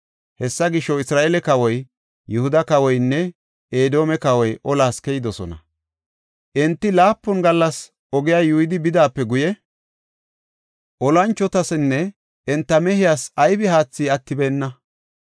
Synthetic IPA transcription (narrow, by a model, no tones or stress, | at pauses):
hɛsːɐɡɪʃːɔɪsɾaːʔɛlɛkɐwɔj | jʊhʊd̪ɐkɐwɔjnːɛ | ʔeːd̪o̞ːmɛkɐwɔjʔɔlaːskɛjɪd̪ɔsɔ̰nɐ̰ | ʔɛnt̪ːɪlaːpːʊnɡɐlːɐs | ɔɡɪjaːjuːɪd̪ɪbɪd̪aːpːɛɡʊjɛ | ʔɔlɐnt͡ʃːɔt̪ɐsnːɛ | ʔɛnt̪ːɐmɛhɪjaːsɐjbɪhaːt͡sːiːɐt̪ːɪbeːnːɐ